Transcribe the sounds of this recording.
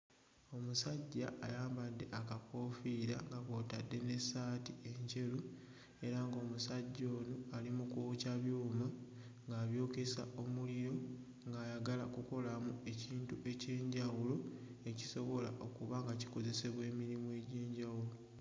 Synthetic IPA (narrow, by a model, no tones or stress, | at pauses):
o̞musaɟːa̰ʔa̰jaːmbadːe̞ʔakako̞fiɾaŋɡakoːtadːe̞ne̞saːtie̞ɲce̞lu | e̞ɾaŋɡo̞ːmusaɟːo̞ːnoalimukucaβjuːma | ŋɡaːβjo̞ːke̞sa̰o̞mulijo̞ | ŋɡaːjaɡalakuko̞lamue̞ciːntuʔe̞ce̞ːɲɟawulo̞eci̥so̞βo̞la̰ʔo̞kuβaŋɡaci̥ko̞ze̞se̞βwe̞ːmiɾimue̞ːɟeːɲɟawulo